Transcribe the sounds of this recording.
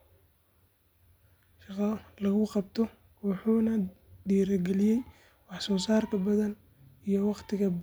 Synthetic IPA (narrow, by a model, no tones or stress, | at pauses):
ʃɑqɐlɐɣʊqɑb̚t̪ʰɔ | wɑħuːnɐɖiːɾɐɡɛlɪjɛj | wɑħsɔːsaːrkʰɐbɐðɐn | ijɔwɑqt̪ʰɪɣɐb